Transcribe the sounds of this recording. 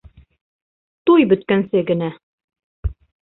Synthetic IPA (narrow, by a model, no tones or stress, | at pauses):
t̪ujbɵ̆t̪kænsɘɡɘ̆næ